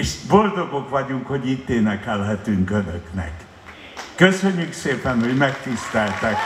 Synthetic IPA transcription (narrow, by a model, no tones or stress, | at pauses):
eʃbo̞ld̪o̞ɡo̞kʋɒɟuŋkho̞ɟit̪ːeːnɛkɛlɦɛt̪yŋkød̪øknɛ̰kː | øsøɲːykseːpɛnho̞ɟmɛkt̪ist̪ɛlt̪ɛk